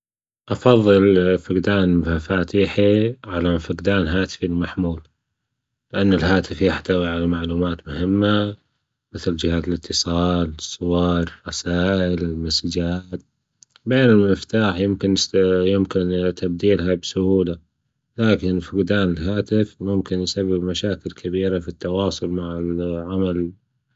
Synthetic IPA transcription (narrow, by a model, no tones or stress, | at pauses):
ʔɑfɑðˤːɨlfɪqd̪aːnfafaːt̪iːħiʕalafɪqd̪aːnɦaːt̪ɪ̥filmaħmuːl | lɪʔanːɪlɦaːt̪ɪfjɪħt̪awiʕalamaʕluːmaːt̪mʊhɪmːa | mɪθld͡ʒɪhaːt̪ɪlɪt̪ʰːɨsˤɑːlsˤːʊwɑːɾˤrˤɑsaːʔɪlɪlmasd͡ʒaːt̪̚ | beːnɪlmɪft̪aːħjɪmkɪnjɪmkɪnt̪ab̚d̪iːlhabsʊhuːla | laːkɪnfɪɡd̪aːnɪlɦaːt̪ɪfmʊmkɪnjsabːɪbmaʃaːkɪlkʰabiːɾafit̪ːɑwɑːsˤʊlmaʕɪlʕamal